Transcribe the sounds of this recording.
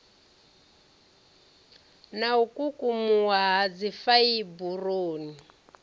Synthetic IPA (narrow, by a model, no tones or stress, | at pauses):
naukʼukʼumuwaɦad͡zifaiburoːni